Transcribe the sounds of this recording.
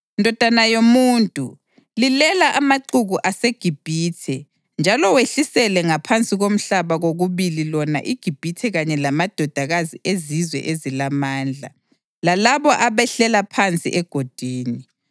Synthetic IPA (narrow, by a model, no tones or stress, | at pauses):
ndʱɔd̥ʱanajomuːntʼṵ | lilɛlaʔamaǀuɣuʔaseɡ̥ʱib̥ʱiːtʰɛ | nd͡ʒʱalɔweɬisɛlɛŋapʰant͡sʼiɣom̩ɬaβaɣoɣuβililɔna̰ʔiɡ̥ʱib̥ʱitʰɛɣaɲɛlamad̥ʱɔd̥ʱaɣaziʔezizwɛ̰ʔezilamaːnd͡ɮʱa̰ | lalaβɔʔaβɛɬɛlapʰant͡sʼḭʔɛɡ̥ʱod̥ʱiːni